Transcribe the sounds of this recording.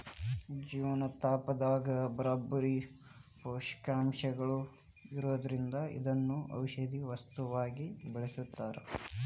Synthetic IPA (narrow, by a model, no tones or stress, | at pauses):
d͡ʒiːʋɐnɐt̪aːpɐd̪aːɡɐbɐɾaːbːɐɾi | poːʃkaːmʃɐɡɐɭu | iɾoːd̪ɐɾind̪ɐḭd̪ɐnːuʔɐ̰wʃɐd̪iʋɐst̪uʋaːɡibɛɭɐsut̪ːaːɾḛ